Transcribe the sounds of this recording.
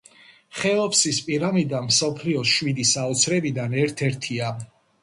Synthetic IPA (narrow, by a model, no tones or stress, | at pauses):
χɛlɔpsispʼiɾamid̪anmsɔpʰliɔʃwid̪isaɔt̪sʰɾɛbid̪anɛɾt̪ʰɛɾt̪ʰia